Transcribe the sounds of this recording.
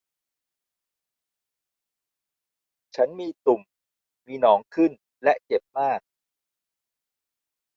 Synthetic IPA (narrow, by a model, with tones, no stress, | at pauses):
t͡ɕʰa˦˥nmiː˧t̪u˨˩m | miː˧nɔː˩˦ŋkʰɯ˥˩n | lɛ˦˥ʔt͡ɕe˨˩p̚maː˥˩k̚